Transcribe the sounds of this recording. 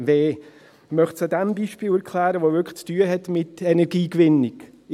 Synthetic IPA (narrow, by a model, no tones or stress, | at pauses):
veː | mœχtsɑdɛmbiːʃpiːlɛɾkʰlæːɾəʋoːvʏkt͡styːəɦɛtmɪtɛnɛʁɡiːkvɪnɪk